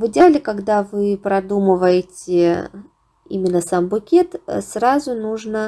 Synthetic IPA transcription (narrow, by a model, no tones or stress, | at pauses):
vɨdʲalʲɪkaɡd̪avɨpɾɐd̪uməvəjɪtʲɪ | ḭmʲɪnːəsambʊkʲe̞t̪sɾazʊnuʐnə